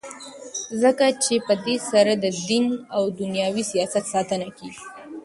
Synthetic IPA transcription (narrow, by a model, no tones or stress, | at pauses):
zəkat͡ʃepəd̪esaɾad̪əd̪inawd̪ʊnjɑwisijɑsat̪sɑt̪ənakeɡi